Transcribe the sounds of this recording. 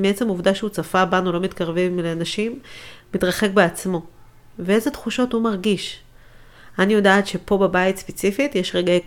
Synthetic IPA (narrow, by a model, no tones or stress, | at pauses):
miet͡se̞muvdaʃeut͡safabanulo̞mitkaʁvimleanaʃimːitʁaχe̞kbeat͡smo̞ | vee̞zetχuʃo̞thumaʁɡiʃ | anijo̞daːtʃe̞po̞bebaitspet͡sifitjeʃʁeɡae